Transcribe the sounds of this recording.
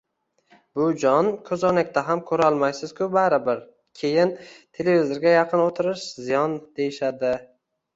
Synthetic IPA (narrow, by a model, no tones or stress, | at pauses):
bʊd͡ʒɒnkʲʰɵzɒnakʲt̪ʰaɦamkʲʰɵɾaɒlˠmajsɪz̥kʲʰʊbaɾɪbɪɾ | kʲʰejɪnt̪ʰele̞vizoɾɡʲajɑqʰɨnot̪ʰɪɾɪʃzɪjɒnd̪̥e̞jɪʃad̪ɪ